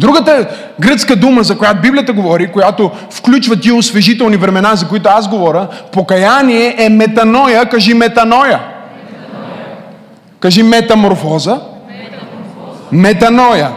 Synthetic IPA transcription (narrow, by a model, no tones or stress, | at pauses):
d̪ɾuɡət̪ə | ɡɾɤət̪skəd̪uməzɐkojat̪obiblijət̪əɡovɔɾikojat̪o | fklʲut͡ʃvɐt̪iʊsvɛʒit̪ɛlˠnivɾɛmɛnazɐkoit̪ʊazɡovɔɾʲəpokɐjaniɛʔɛmɛt̪ɐnɔjəkaʒimɛt̪ɐnɔjə | kaʒimɛt̪ɐmoɾfɔzə | mɛt̪ɐnɔjə